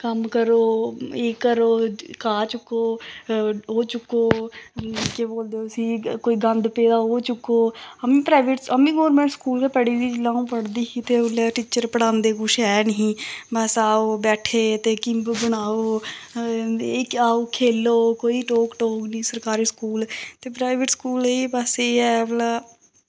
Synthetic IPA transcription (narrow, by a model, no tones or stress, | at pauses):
kəmkəɾoːeːkːəɾoːkaːt͡ʃʊkːoː | ɦoːt͡ʃʊkːoː | keboːld̪eosiːkoːiːɡə̃nd̪peːd̪aːɦoːt͡ʃʊkːoːɦəmĩːpɾaːʋeʈsəmĩːɡoːɾmẽːɳʈskuːlkeːpɛɽiːd̪iːd͡ʒɪlãːũːpəɽd̪iːkit̪eːʊleʈiːt͡ʃəɾpəɽãːnd̪eːkʊʃɛːnəɦĩːbəsaːoːbɛːʈʰeːt̪eːkɪmbbəɽ̃aːoː | ekaːoːkʰeːloːkoːiːʈoːkʈoːknĩːsəɾkaːɾiːskuːlt̪eːpɾaːɪʋeʈskuːleːbəseːɛːʋlaː